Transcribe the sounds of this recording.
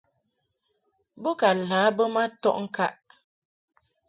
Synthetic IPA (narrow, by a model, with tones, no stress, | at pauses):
bə˦ka˨laː˨˦bə˦ma˦tɔ̰˦ʔŋ̩˦ka˦ʔ